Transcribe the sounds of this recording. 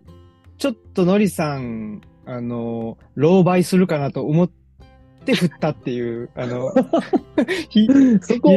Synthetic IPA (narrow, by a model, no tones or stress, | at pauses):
t͡ɕo̞t̪ːo̞no̞ɾʲisãŋ | ano̞ | ɾo̞ːbaisɨɾɯ̟kanat̪o̞ːmo̞t̪ː | e̞ɸɯ̟t̪ːat̪ːe̞jɯːano̞ | çisoko